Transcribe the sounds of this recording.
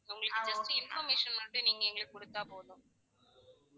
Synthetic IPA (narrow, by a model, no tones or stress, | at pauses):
ʊŋɡɐɭɐɭkːd͡ʒɐstɯɪnfɐɾmeːʂɐnʊɳɖɯniːŋɡɐɛŋɡɐɭkɔɽɯt̪ːaːpoːðõm